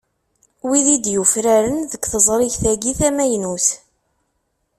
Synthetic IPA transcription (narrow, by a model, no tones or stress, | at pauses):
wiðid̪jufɾæɾənðəkʷθəzˤɾˤɪçθæɡiθæmæjnuθ